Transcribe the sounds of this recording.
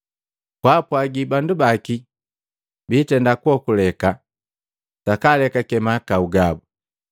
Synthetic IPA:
kwapwaɡibandubaki | biːtɛndakwɔkulɛka | sakalɛkakɛmakauɡabu

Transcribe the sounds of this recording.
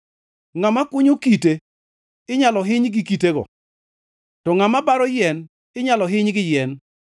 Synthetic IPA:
ŋamakʊɲokite | ɪɲalɔɦɪɲɡɪkiteɡɔ̰ | tɔŋamabaɾɔjɛn | ɪɲalɔɦɪɲɡɪjɛn

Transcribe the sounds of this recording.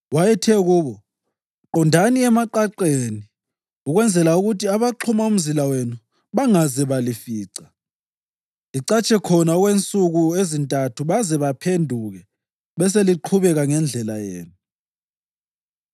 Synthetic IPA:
wajɛtʰɛɣuːβɔ | ǃɔndʱaniɛmaǃaǃeni | uɣwɛnd͡zʱɛlauɣutʰiaβaǃʰumaum̩zilawenu | βaŋazɛβalifiːǀa | liǀat͡ʃʼɛkʰɔnaɔɣwent͡sʼuɣuezintʼatʰuβazɛβapʰendʱuɣɛ | βɛs̬eliǃʰuβɛɣaŋɛnd͡ɮʱɛlajḛːnu

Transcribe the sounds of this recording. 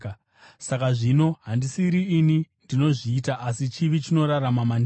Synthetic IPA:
sakaʐino̞ɦandisiɾiːnindino̞ʐiːtaʔasit͡ʃiʋit͡ʃino̞ɾaɾamaman

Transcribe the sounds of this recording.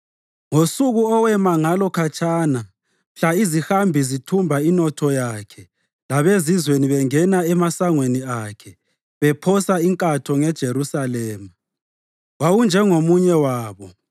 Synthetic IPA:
ŋosuɣuɔwɛmaŋalɔkʰat͡ʃʼʰana | mɬaizixambʱizitʰumbʱainɔtʰɔjakʰɛ | laβezizweniβɛŋɛnaɛmasaŋweniakʰɛ | βɛpʰɔsaiŋkʼatʰɔŋɛd̥ʒ̥ʱeɾusalɛːma | wawund͡ʒʱɛŋomuɲɛwaːβɔ

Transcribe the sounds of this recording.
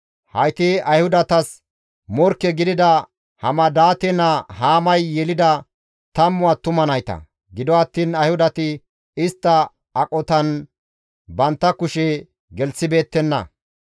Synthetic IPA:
hɐjt̪ɪɐjhʊd̪ɐt̪ɐs | mɔɾkːɛɡɪd̪ɪd̪ɐ | hɐmɐd̪aːt̪ɛnɐhaːmɐjːɛlɪd̪ɐ | t̪ɐmːʊwaːt̪ʊmɐnɐjt̪ɐ̰ | ɡɪd̪ɔɐt̪ːiːnɐjhʊd̪ɐt̪ɪ | ɪst̪ːɐ | ɐkʼɔt̪ɐn | bɐnt̪ːɐkʊʃɛ | ɡɛlsɪbe̞ːt̪ːɛnːɐ̰

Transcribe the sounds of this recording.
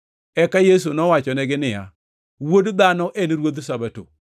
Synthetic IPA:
ɛkajes̬unɔwat͡ʃɔnɛɡɪnɪja̰ | wodd̪anɔʔenɾwod̪sabato̰

